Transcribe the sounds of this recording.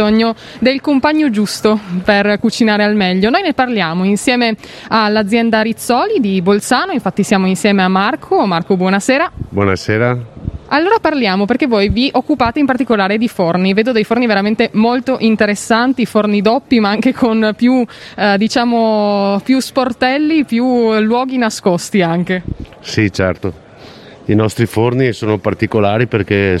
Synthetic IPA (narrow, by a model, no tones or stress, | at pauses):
oɲːo | d̪elkompaɲːod͡ʒust̪operkut͡ʃinaːɾealmɛʎːonojneparljaːmoinsjɛːme | alːad̪zːjɛnd̪aɾit̪sːɔːlid̪ibolt̪saːnoiɱfat̪ːisjaːmoinsjɛːmeamːarkʰomarkobwɔnaseːɾabwɔ̰na̰seːɾaalːoːɾaparljaːmoperk̟evːojviʔokːupaːt̪eimpart̪ikolaːɾed̪iforniveːd̪od̪ejforniveɾament̪emolt̪oʔint̪eɾesːant̪ifornid̪ɔpːimaaŋkekʰonpjud̪it͡ʃaːmopjusport̪ɛlːipjulwɔːɡinaskost̪iaŋk̟e | sit͡ʃɛrt̪o | inɔst̪ɾifornisoːnopart̪ikolaːɾiperke